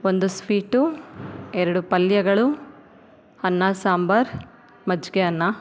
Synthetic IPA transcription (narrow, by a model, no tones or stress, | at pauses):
ond̪uspiːʈu | ɛɾɐɽupɐljɐɡɐɭu | ɐnːaːsaːmbɐɾ | mɐd͡ʒɡeɐnːa